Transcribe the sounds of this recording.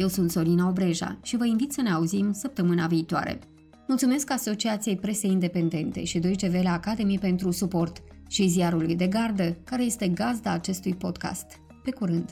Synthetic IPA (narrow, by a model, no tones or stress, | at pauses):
je̞wsunt̪so̞ɾinao̞bɾe̞ʒa̰ʃivəinvit̪səne̞auzimsəp̚t̪əmɨnaviːt̪oa̰ɾḛ | mult̪sume̞skaso̞t͡ʃiat̪sije̞jpɾe̞se̞jind̪e̞pe̞nd̪e̞nt̪e̞̰ʃid̪o̞jd͡ʒe̞ve̞leakad̪e̞mijpe̞nt̪ɾusupo̞rt̪ʃiziaɾulujd̪e̞ɡard̪əkaɾe̞je̞st̪e̞ɡazd̪aːt͡ʃe̞st̪ujpo̞d̪ka̰st̪ | pe̞kuɾɨnd̪